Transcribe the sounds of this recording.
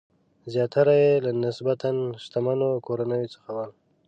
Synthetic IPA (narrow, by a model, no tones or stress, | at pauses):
zjɑt̪aɾajelanɪsbat̪anʃt̪amanokoɾanəjot͡sə̥xawal